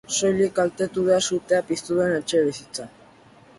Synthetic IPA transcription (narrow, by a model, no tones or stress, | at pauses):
sojlikalt̪e̞t̪uðeasut̪eapist̪uðenet͡ʃeβisit͡sa